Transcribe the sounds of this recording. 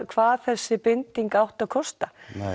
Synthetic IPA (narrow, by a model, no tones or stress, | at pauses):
kʰvaːðθɛsːɪpɪnt̪iŋkawht̪aðkʰɔst̪a